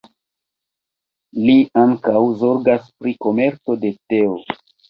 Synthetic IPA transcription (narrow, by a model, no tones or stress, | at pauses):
liaŋkawzo̞ɾɡaspɾiko̞me̞ɾt͡so̞de̞te̞o